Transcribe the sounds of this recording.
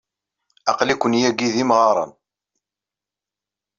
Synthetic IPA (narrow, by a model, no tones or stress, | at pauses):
ɑqlikʷːənjæɡiðimʁɑɾˤɑ̰n